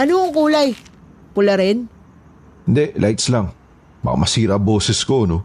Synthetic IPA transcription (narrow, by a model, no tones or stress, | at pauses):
ʔɐnoʊŋkuːlaj | pʊlɐɾɛn | ɪnd̪ɛʔlʔajt̪slaŋ | bɐ̰ka̰mɐsiːɾɐboːsɛskono